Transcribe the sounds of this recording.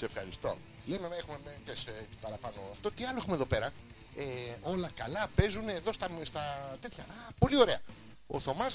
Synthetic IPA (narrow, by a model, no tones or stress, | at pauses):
seefxɐɾist̪o̞̰ | lemenexumemetesepɐɾɐpɐno̞ɐft̪o̞t̪iɐloexumeðo̞pe̞ɾɐ | eo̞lɐkɐlɐpe̞zunːðo̞st̪ɐst̪ɐt̪e̞t̪çɐpo̞lio̞ɾe̞ɐ | o̰θo̞mɐs